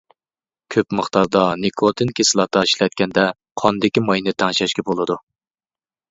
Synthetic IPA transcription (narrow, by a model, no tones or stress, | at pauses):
kʲʰøpməχt̪ɑɾd̪ɑnekʰot̪ʰɨnkʲʰesɨlˠɑt̪ɑiʃlɛt̪̚kʲɛnd̪ɛ | qʰɑnd̪ɪkʲimɑjnɨt̪ʰɑŋʃɛʃkʲɛbolˠɨd̪u